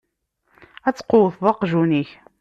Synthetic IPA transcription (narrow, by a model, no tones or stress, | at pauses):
æt͡sːə̥qːowθðˤɑqʒuniç